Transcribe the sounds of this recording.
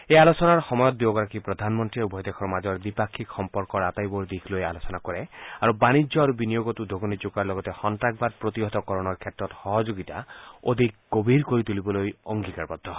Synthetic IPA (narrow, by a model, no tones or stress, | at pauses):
ealosɔnaɾxɔmɔjɔd̪ːjoɡɔɾakipɾɔd̪ʱanmɔnt̪ɾiubʱɔjɔd̪ekʰɔɾmad͡ʒɔɾd̪ipakʰːikxɔmpɔɾkɔɾat̪ajbɔɾd̪ikʰlojalosɔnakɔɾeaɾubanid͡ʒɔaɾubinijoɡɔt̪ud̪ʱoɡɔnid͡ʒokaɾlɔɡɔt̪ehɔnt̪ak̚bad̪̚pɾot̪iɦɔt̪ɔkɔɾɔñɔɾkʰet̪ɾɔt̪hɔɦɔd͡ʒoɡit̪ao̰d̪ʱikɡɔbʱiɾkɔɾit̪ulibɔlojɔŋɡikaɾbɔd̪ʱːɔ